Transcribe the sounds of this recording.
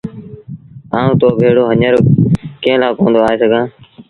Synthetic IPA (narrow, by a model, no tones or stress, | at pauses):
aːũːt̪oːbʱeːɽoːɦəɲəɾkẽːlaːkõːnd̪oːaːeːsəɡʱãː